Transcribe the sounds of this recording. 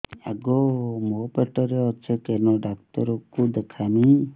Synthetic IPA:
a̰ɡɔmɔpeʈɔɾeɔt͡ʃʰekenɔɖakt̪ɔɾɔkud̪ekʰami

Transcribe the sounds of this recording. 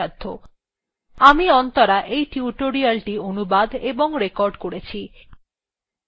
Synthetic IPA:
ad̪ʱːo | amiɔnt̪oɾaʔejʈiuʈoɾialʈionubad̪eboŋɾekɔɾɖkoɽet͡ɕʰi

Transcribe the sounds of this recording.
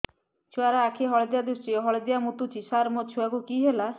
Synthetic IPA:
t͡ʃʰuaɾaːkʰeɦɔɭed̪iad̪ɾusʈiɔɦɔɭed̪iamut̪ut͡ʃʰisaɾmot͡ʃʰuakukiɦela

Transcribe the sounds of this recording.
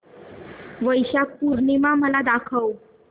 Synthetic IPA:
ʋəjɕak̚puɾɳimaməlad̪akʰəw

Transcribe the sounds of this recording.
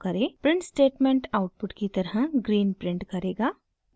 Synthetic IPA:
kɐɾeːpɾɪ̃ɳʈsʈeːʈmẽːɳʈaʊʈ̚pʊʈkit̪ɐɾɦə̃ɡɾiːnpɾɪ̃ɳʈkɐɾeːɡaː

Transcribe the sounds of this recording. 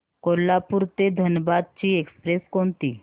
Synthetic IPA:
kolːapuɾt̪ed̪ʱənəbad̪̚t͡ɕiekspɾeskɔnt̪i

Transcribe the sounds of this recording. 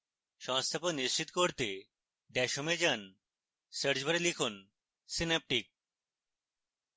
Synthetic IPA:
ʃɔŋst̪ʰaponːiʃt͡ɕit̪koɾt̪e | ɖ̪ɛʃomed͡ʑan | səɾd͡ʑbʱaɾelikʰun | sinep̚ʈik̚

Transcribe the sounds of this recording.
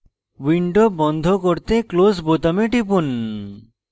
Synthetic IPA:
wiɳɖobɔnd̪ʱokoɾt̪eklosbot̪ameʈip̬un

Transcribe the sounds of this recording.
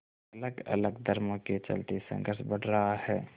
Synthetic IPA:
ɐləɡə̰ləɡd̪ʱəɾmõket͡ʃə̰lt̪esə̰̃ŋɡəɾʃbəɽɾɐɦahɛː

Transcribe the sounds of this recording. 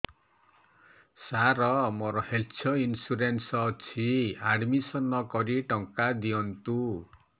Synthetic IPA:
saɾɔmɔɾɔhelt͡sʰʌinsuɾensʌt͡sʰiaɽmisʌnːʌkɔɾiʈɔŋkad̪iɔnt̪u

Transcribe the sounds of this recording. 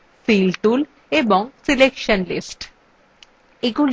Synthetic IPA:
filʈul | eboŋsilekʃənlḭsʈ | eɡul

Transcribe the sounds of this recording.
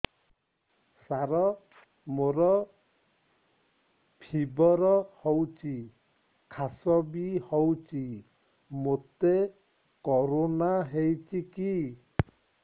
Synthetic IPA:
saɾɔ | moɾɔ | pʰibɔɾɔhɔwt͡ʃi | kʰasɔbihɔwt͡ʃi | mot̪e | kɔɾonaɦejt͡ʃiki

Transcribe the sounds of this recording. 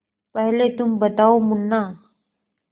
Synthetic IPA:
pəɦlet̪umbət̪aomunːa

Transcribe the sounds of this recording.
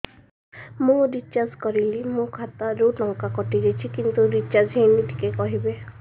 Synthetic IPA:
mũɾit͡ʃːaskɔɾilimũkʰat̪aɾuʈɔŋkakɔʈiɾet͡ʃʰikint̪uɾit͡ʃad͡ʒɦenit̪ʰi̥kekɔɦibe

